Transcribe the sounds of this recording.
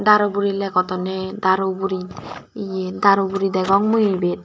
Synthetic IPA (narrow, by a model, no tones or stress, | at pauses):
d̪aɾɔbuɾilɛkɔt̪ɔnɛd̪aɾobuɾiijed̪aɾobuɾid̪ɛɡɔŋmujebet̪̚